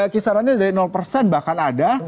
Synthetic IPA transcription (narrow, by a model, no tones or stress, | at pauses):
akisaɾanɲadainɔlpərsɛnbahkanada